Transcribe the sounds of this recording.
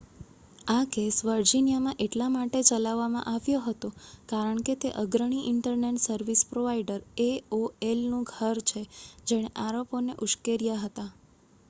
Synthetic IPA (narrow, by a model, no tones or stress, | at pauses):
akesʋəɾd͡ʒinjamãʔeʈlamaʈet͡ʃəlaʋːamã̰ʔaʋjoɦət̪okaɾəɳket̪eʔəɡɾəɽ̃iʔɪɳʈəɾneʈsəɾʋispɾoʋaiɖəɾeoelnũɡʱəɾt͡ʃʰed͡ʒeɽ̃eʔaɾoponeʔuʃkeɾijaɦət̪a